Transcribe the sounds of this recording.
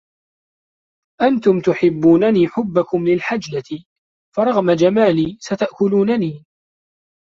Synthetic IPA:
ʔant̪ʊmt̪ʊħɪbːuːnaniːħʊbːakʊmlɪlħad͡ʒlat̪ɪ | fɑɾˤɑɣmad͡ʒamaːliːsat̪aʔkʊluːnaniː

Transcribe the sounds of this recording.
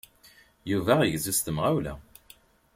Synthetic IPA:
juvæʁʝzist̪əmʁæwlæ̰

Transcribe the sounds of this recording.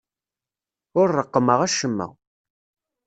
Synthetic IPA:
ʊɾːəqːəməʁæʃəmːə̰ʁ

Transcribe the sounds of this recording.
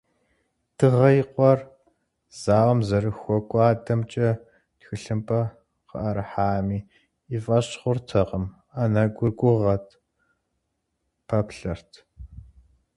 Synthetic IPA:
d̥ɨʁɐjqʷɔr | z̥aːwɐmzɐrɨxʷɔkʷʼaːdɐmt͡ʃʼɐ | txɨɬɨmpʰʼɐ | qə̰ʔɐɾħaːmiː | ifʼɐɕχʷʊrtʰɐqəm | anɐɡʷʊɡʷʼʊʁɐtʰ | pʰɐpɬɐrtʰ

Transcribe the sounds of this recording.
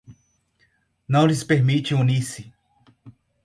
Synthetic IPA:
nɐ̃w̃lispeɾmit͡ʃiunisi

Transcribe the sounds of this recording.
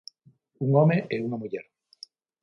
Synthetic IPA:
uŋomeʔeunamuʎeɾ

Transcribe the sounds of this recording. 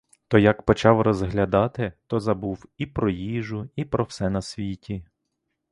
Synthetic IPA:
t̪ɔjɐkpɔt͡ʃɑwrɔzɦlʲɐd̪ɑt̪ɪt̪ɔzɐbuwipɾɔjiʒʊipɾɔwsɛnɐsʲʋʲitʲi

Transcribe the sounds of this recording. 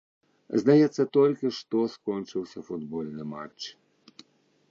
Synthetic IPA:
zd̪ɛjɛt̪sɛt̪olʲkiʃt̪ɔskɔnt͡ʃiwsʲɛfud̪bolnɛma̰t͡ʃ

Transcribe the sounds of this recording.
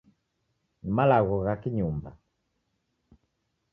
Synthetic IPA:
nimalaɣɔɣakiɲumba

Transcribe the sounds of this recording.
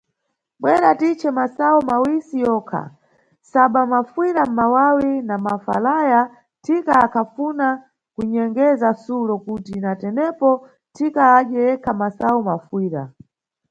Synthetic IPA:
ɓwɛɾatit͡ʃɛmasaumawisijɔːkʰa̰ | saɓamafwiɾam̩mawawinamafa̰laja | tʰikaːkʰafuna | kuɲɛŋɡɛzasulɔkutinatɛnɛpɔ | tʰikaːɗjɛɛkʰamasaumafwiːɾa̰

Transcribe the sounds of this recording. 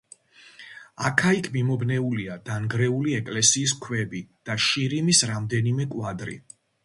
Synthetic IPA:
a̰kʰaikʰmimɔbnɛuliad̪̥anɡɾɛuliɛkʼlɛsiːs̬kʰwɛbid̪̥aʃiɾimisɾamd̪ɛnimɛkʼwad̪ɾḭ

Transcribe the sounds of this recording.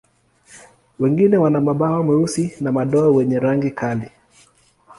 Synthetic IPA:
wɛŋɡinɛwanamaɓaɔmwɛusinamaɗɔawɛɲɛɾaŋɡikʰali

